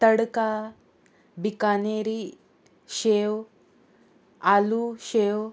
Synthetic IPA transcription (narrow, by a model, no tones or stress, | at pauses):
t̪əɽka | bikaneɾi | ɕew | aluɕew